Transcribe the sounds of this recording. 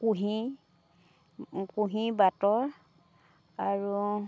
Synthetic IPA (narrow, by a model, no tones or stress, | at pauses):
kuɦi | kuɦibatɔɹ | aɹu